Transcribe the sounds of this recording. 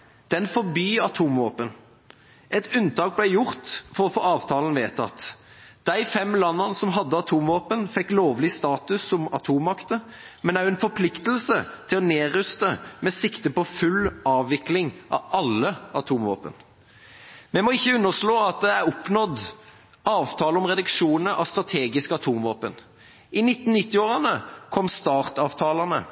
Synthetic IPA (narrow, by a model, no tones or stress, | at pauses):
d̪̥ɛnfɔʁbyːɑt̪ʰuːmʋoːpən | ʔɛt̪ʉnt̪ʰɑːk̚blæjʊʁt̪fɔɾɔfoːɑːʋt̪ʰɑːlən̩ʋeːt̪ʰɑ̰t̪ːd̪̥æɪfɛmlɑnːɑnsɔmɦɑd̪ːəɑt̪ʰuːmʋoːpənfɛkːloːʋlɪst̪ɑːt̪ʉsːɔmɑt̪ʰuːmmɑkt̪ə | mɛnæʉɛnfɔɾpʰlɪkt̪əl̩sət̪ʰɪlɔneːʁʉst̪əmɛsɪkt̪əpɔfʉlʔɑːʋːɪklɪŋʔɑ̰ɑlːəɑt̪ʰuːmʋɑ̰ːpə̰n | mɛmɔɪçːəʉnːəʁʂloːɑt̪̚d̪ɛæɾɔpnɔd̪ | ɑːʋt̪ʰɑːləɔmʁɛd̪ʉkʂuːnnəʔɑ̰ʋst̪ʁɑt̪ʰeːɡɪskɑt̪ʰuːmʋɑ̰ːpən | ʔɪnɪt̪ːn̩nɪt̪ːɪoːʁɑnəkʰɔmːst̪ɑːʁt̪ɑːʋt̪ʰɑːlɑnə̰